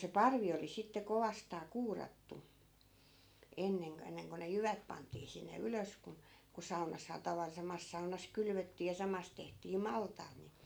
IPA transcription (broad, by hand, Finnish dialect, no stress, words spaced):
se pɑrʋi oli sitːe koʋɑstɑː kuːrɑtːu enːeŋ k enːeŋ ko ne jyʋæt pɑntˑiː sinːe yløs kun̞ ku sɑunɑshɑː tɑʋɑl sɑmɑs sɑunɑs kylʋøtːiː jɑ sɑmɑs tehtiː mɑltɑːt ni